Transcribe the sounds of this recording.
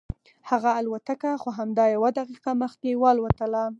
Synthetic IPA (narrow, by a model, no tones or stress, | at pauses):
haɣaːlwat̪akaxoɦamd̪ɑjawad̪aqiqaməxt̪̚ewalwat̪ala